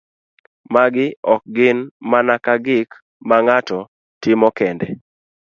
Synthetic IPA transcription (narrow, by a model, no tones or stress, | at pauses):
maɡɪɔk̚ɡɪnmanakaɡɪk | maŋatɔ | tɪmɔkɛndɛ